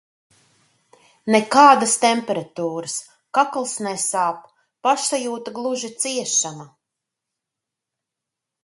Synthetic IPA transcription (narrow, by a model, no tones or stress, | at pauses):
nɛkaːd̪ast̪ɛmpɛɾat̪uːɾɨs | kaklˠsnɛsaːp | paʃsajuːt̪aɡlˠuʒit̪siɛʃama